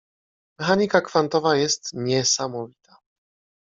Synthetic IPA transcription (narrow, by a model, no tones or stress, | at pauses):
mɛxaɲikakfant̪ɔvajɛst̪ɲɛsamɔvʲi̥t̪a